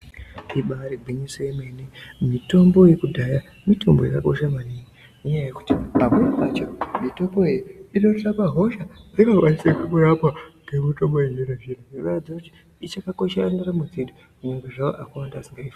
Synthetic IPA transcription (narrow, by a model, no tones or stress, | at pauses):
iɓaɾibʱiɲisojemenemito̞mbo̞jekudʱaja | mito̞mbo̞jakako̞ʃamaniːŋi | neɲajajeku̥tiamwenamat͡ʃomito̞mboejiinorrapaɦo̞ʃad͡zakakwanisekukuɾapaɡ̥emitomboiɲiɾaʐin̤uikaad͡zakuti̥ | it͡ʃakako̞ʃerandaramud͡zeɗo | kuɲaŋɡaʐao̰ʔakawandaːsiŋɡaifa